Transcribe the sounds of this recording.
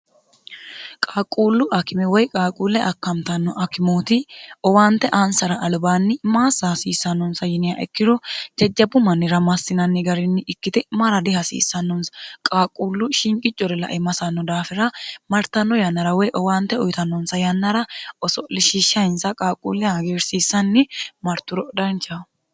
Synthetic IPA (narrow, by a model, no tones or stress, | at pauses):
kʼaːkʼːuːlːʊʔɐkɪmɛwɔjkʼaːkʼuːlːɛʔɐkːɐmt̪ɐnːɔʔɐkɪmoːt̪ɪɔwaːnt̪ːɛʔansɐɾɐʔːlbaːnːɪmaːsːasiːsːɐnːɔnsɐjɪnɪjaʔɛ̰kːɪd̪ɔd͡ʒɛd͡ʒːɐbʊmɐnːɪɾɐmɐsːɪnɐnːɪɡɐɾɪnːɪɪkːɪt̪ɪmɐɾɐd̪ɪhɐsḭːsːɐnːɔnsɐ̥kʼaːkʼːuːlːʊʃɪŋkʼɪt͡ʃʼːɔɾɛlɐ̰ʔɛmɐsɐnːɔd̪aːfɪɾɐmɐɾt̪ːɐnːɔjɐnːɐɾɐwɛjʔɔwaːnt̪ːɛɔjt̪ɐnːɔnsɐjɐnːɐɾɐɔsɔlɪʃiːʃːɐjɪnsɐkʼaːkʼːṵlːɪjaɡeːɾsiːsːɐnːɪmɐɾt̪ːʊɾɔd̪ɐnt͡ʃʼːɐ